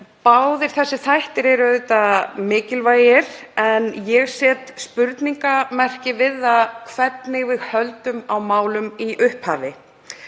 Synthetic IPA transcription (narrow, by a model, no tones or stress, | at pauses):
paːwðɪɾ̥θɛsːɪθajht̪ɪɾɛɾœðʏt̪amɪːcɪlvaːjjɪɾ̥ɛnjɛɣsjɛːt̪spʏɾt̪niŋkamɛr̥cɪvɪðaðkʰvɛt̪nɪɣvɪðhœlt̪ʏmawmaːwlʏmiʔʏhphaːvɪ